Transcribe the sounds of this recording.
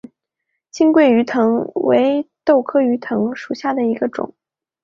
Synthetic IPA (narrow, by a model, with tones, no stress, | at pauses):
t͡ɕʰi˥ŋkwe˥˩ɪy˧˥t̪ʰɤ˧˥ŋwḛ˧˥ɪt̪o˥˩ʊkʰɤ˥y˧˥t̪ʰɤ˧˥ŋʂu˨˩ɕja˥˩d̪ə˩i˧˥ɡə˧ʈ͡ʂʊ̰˨˩˦ŋ